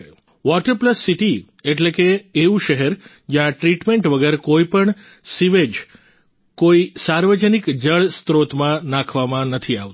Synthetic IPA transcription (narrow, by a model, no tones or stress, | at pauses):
ʋɔʈəɾpləsːiʈi | eʈlekeːʋũʃəɦɛɾ | d͡ʒjãʈɾiʈmẽɳʈʋəɡəɾkoipəɳ | siʋed͡ʒ | koisaɾʋəd͡ʒənikd͡ʒəɭst̪ɾot̪mãnãkʰʋamãnət̪ʰiaʋt̪